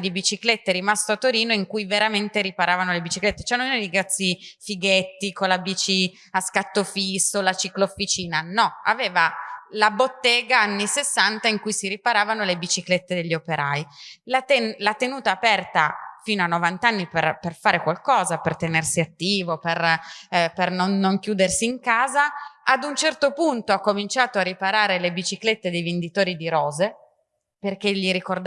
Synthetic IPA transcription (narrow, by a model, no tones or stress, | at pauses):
d̪ibit͡ʃiklet̪ːeɾimast̪oat̪ːoɾiːnoiŋkujveɾament̪eɾipaɾaːvanolebit͡ʃiklet̪ːe̥t͡ʃɛnoeiɡɾat̪sːifiɡet̪ːikolabit͡ʃi | askat̪ːofisːolat͡ʃikloːfːit͡ʃiːnanɔa̰veːvalabot̪ːeːɡaanːisesːant̪aiŋkujsiɾipaɾaːvanolebit͡ʃiklet̪ːed̪eʎːiopeɾailat̪enlat̪ːenuːt̪aːpɛrt̪afiːnoanːovant̪anːiperperfaːɾekwalkɔːzapert̪enersiat̪ːiːvoper | pernonːoŋk̟juːd̪ersiːŋkaːzaad̪unt͡ʃɛrt̪opunt̪oakːomint͡ʃaːt̪oaripaɾaːɾelebit͡ʃiklet̪ːed̪ejvend̪it̪oːɾid̪iɾɔːze | perk̟eʎːiɾikord̪